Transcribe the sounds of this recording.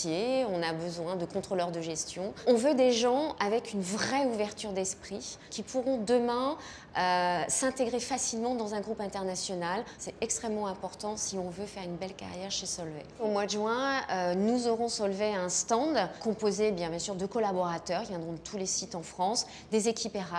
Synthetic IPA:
jeɔ̃nabəzwɛ̃d̪əkɔ̃t̪χolœʁd̪əʒɛst̪jɔ̃ɔ̃vød̪eʒɑ̃avɛkynvʁɛuvɛʁt̪yʁd̪ɛspχikʲipʰuʁɔ̃d̪əmɛ̃ | øsɛ̃t̪eɡʁefasilmɑ̃d̪ɑ̃zɛ̃ɡʁupɛ̃t̪ɛʁnasjɔnalsɛtɛkst̪χɛmːɑ̃ɛ̃pɔʁt̪ɑ̃siɔ̃vøfɛʁynbɛlka̰ʁjɛʁʃesɔlvḛomwad̪ʒɥɛ̃ønuzɔʁɔ̃sɔlveɛ̃st̪ɑ̃d̪kɔ̃pozebjɛ̃bjɛ̃syʁd̪əkɔlabɔʁat̪œʁkʲivjɛ̃d̪ʁɔ̃d̪ət̪ʰulesit̪ɑ̃fχɑ̃s | d̪ezekʲʰipeʁa

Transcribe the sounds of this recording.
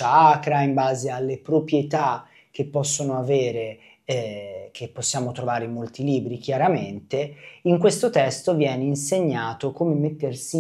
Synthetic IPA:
aakɾaimbaːzealːepɾopɾjet̪a | k̟epːɔsːonoaveːɾe | k̟ʰepːosːjaːmot̪ɾovaːɾemolt̪iliːbɾik̟jaɾament̪eiŋkwest̪ot̪ɛst̪ovjɛːneinseɲːaːt̪okomemet̪ːersi

